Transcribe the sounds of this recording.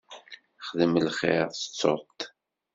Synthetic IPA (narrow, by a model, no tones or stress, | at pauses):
χðəmlχɪɾθət͡sːo̰t̪